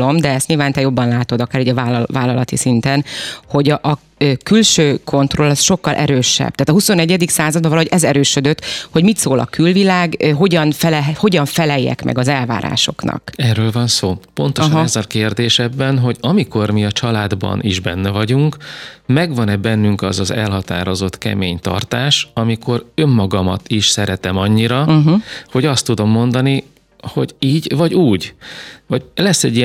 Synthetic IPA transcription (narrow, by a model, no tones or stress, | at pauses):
o̞md̪ɛɛst̪ɲiːlvaːnt̪ɛjo̞bːɒnlaːt̪o̞d̪ɒkaːɾoːɟɒvaːlvaːlːɒlɒt̪isint̪ɛnho̞ɟʔɒ | kylʃøːkʰo̞nt̪ro̞lɛsʃo̞kːɒlʔɛ̰ɾøːʃɛ̰b̥̚t̪aːt̪ɒɦuso̞nɛɟːɛd̪iksaːzɒd̪̚bɒvɒlːɒoʔɛzɛɾøːʃød̪øt̪ːho̞ɟmit̪soːlɒ̰kylvilaːɡɦo̞ɟɒnfɛlho̞ɟɒɱfɛlɛjːɛ̰kmʔɛ̰ɡɒzɛlva̰ːɾa̰ːʃo̞knɒ̰kɛːrːøːlvɒnsoːpo̞nt̪oʃɒnnɛzːɛlkeːrd̪eːʃɛbːɛnɦo̞ɟɒmiko̞rmiɒt͡ʃɒlaːd̪bɒ̰nʔiʒbɛnːɛvɒɟuŋkmɛɡʋɒnɛbɛnːyŋkɒzɒzɛlɦɒt̪a̰ːɾo̞zo̞t̪kɛ̰meːɲt̪ɒ̰rt̪aːʃɒmiko̞ɾø̞mːɒɡɒmɒ̰t̪iʃsɛɾɛt̪ɛmɒɲːiɾɒɦ̩ho̞ɟɒst̪ːud̪o̞mːo̞nd̪ɒni | ho̞̰ɟiːɟvɒɟuːɟvɒlɛsːɛɟːi